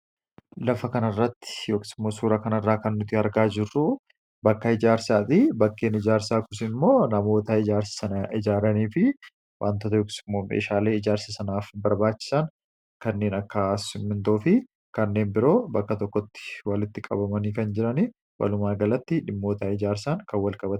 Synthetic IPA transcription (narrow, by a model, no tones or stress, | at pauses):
lɐfɐkɐnɐrːɐt̪ːɪ̥joːksɪmːoːsuːɾɐkɐnɐrːaːkɐnːʊt̪ɪɐɾɡaːd͡ʒɪrːʊ | bɐkːɐɪd͡ʒaːɾsaːt̪ɪbɐkːe̞ːnɪd͡ʒaːɾsaːkʊsɪmːoːnɐmo̞ːt̪ɐɪd͡ʒaːɾsɪ̥sɐnɐʔɪd͡ʒaːɾɐniːfɪ | wʔa̰ːnt̪ɔt̪̬ɐjoːksɪmːoːmḛːʃaːle̞ːɪd͡ʒaːɾsɐsɐnaːfbɐɾbaːt͡ʃːɪ̥sɐn | kɐnːe̞ːnɐkːɐsɪmːɪnt̪oːfɪ | kɐnːe̞ːnbɪɾo̞ːbɐkːɐt̪ɔkːɔt̪ːɪ̥wɐlɪt̪ːɪkʼɐ̰bɐmɐniːkɐnd͡ʒɪɾɐni | wɐ̰lʊmaːɡɐlɐt̪ːɪᶑɪmːo̞ːt̪ɐɪd͡ʒaːɾsaŋkɐwɐlkʼɐbɐt̪